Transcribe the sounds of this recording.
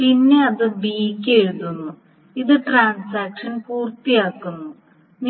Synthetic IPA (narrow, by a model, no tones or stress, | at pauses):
pinːe̞ɐðɨbiːkʲːeɻuðunːu | iðɨʈraːnsaːkʂɐnpuːrt̪ijaːkːunːu | n